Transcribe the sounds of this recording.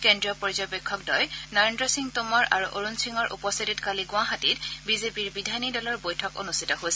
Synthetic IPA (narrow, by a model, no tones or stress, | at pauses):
kendɹiɔpɔɹzɔjbɛkʰːɔk̚dɔjnɔɹendɹɔsiŋtomɔɹa̰ɹuʔoɹunsiŋɔɹʔṵpɔseditkaliɡʊ̃aɦatitbizepiɹbidʱanidɔlɔɹbojtʰɔko̰nustʰitɔɦosɛ